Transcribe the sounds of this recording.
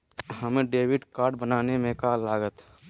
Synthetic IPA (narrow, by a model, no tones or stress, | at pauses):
ɦəmẽɖeːwɪɖkaːɾɖbənaːnemẽkalaːɡət̪ʰ